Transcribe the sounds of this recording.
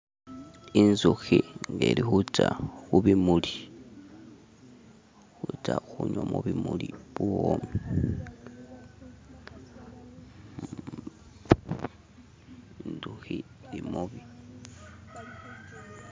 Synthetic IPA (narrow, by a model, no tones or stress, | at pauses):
inzuxiŋɡeɾihut͡ʃaxuβimuli | xut͡ʃaxuɲwomoβimuliβuomi | inzuxi | limuβi